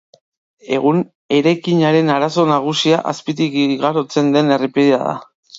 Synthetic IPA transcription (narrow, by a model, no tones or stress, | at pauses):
e̞ɣun | e̞ɾajkiɲaɾe̞naɾaso̞naɣ̞usiaʔa̰spit̪ikɣaɾo̞t͡se̞nd̪e̞ne̞ripiðiaða̰